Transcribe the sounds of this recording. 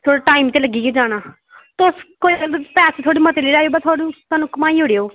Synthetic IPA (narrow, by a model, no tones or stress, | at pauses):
t̪ʰoːɽaːʈaːimt̪eːləɡiːɡed͡ʒaːɽ̃aː | t̪ʊskopɛːset̪ʰoːɽiːmət̪eːleːɾaːjoːbɛt̪ʰaːɽũːt̪aːnũːkəmaːiːɦoːɽeːoː